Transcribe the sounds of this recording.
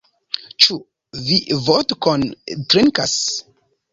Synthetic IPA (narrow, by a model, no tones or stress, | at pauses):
t͡ʃu | vivotkontɾiŋkas